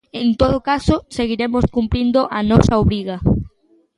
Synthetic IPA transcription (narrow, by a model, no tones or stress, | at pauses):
ẽnt̪oðʊkasoseɣiɾemoskumpɾind̪oʔɐnɔsɐoβɾiɣɐ